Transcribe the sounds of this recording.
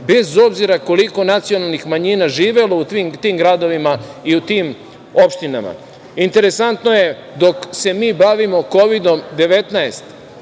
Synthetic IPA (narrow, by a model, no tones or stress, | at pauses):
be̞zo̞bziɾako̞liko̞nat̪sio̞nalˠnixmaɲiːnaʒiːʋe̞lout̪ʋimt̪iːmɡɾad̪o̞ʋimaiut̪im | o̞pʃt̪ina̰ma̰ | int̪e̞ɾe̞sant̪no̞je̞ | d̪o̞kse̞miːbaʋimo̞ko̞ʋid̪o̞md̪e̞ʋe̞t̪naest̪